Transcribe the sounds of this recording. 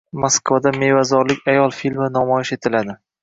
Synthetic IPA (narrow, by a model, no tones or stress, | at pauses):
maskvad̪ame̞vazɒɾlɪkʲajɒlˠfilmɪnɒmɒjɪʃe̞t̪ʰɪlad̪ɪ